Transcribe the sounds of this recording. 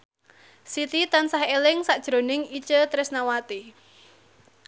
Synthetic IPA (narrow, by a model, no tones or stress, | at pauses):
sit̪it̪ansahelɪŋsaʔd̥ʒ̥ɾo̤nɪŋit͡ʃət̪ɾɪsnawat̪i